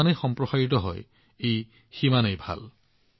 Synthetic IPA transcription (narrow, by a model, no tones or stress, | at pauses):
anejxɔmpɹɔsaɹit̪ɔɦɔ̰j | ej | ximanejbʱa̰l